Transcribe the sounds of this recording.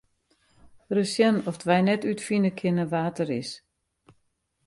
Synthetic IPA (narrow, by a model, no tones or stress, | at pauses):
rəsjənɔfdʋɛjnɛtytfinəkʰɪnəʋaːtəɾɪs